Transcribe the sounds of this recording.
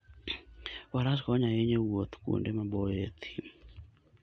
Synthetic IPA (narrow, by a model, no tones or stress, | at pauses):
waɾaskɔɲaeɲewot̪kṵndemabɔjet̪ʰi̥